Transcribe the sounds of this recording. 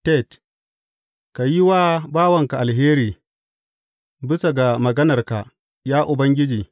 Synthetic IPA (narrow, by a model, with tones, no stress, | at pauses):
tɛ˦˨t | ka˨ji˦waː˦baː˦wɐ˨ŋka˨ʔa˨lɦeː˦ɾiː˨ | bɪ˦sa˨ɡa˨mɐ˨ɡɐ˦nɐ˨rka˨ | jaː˦ʔʊ˨bɐ˦ŋɡʲɪ˦d͡ʒiː˨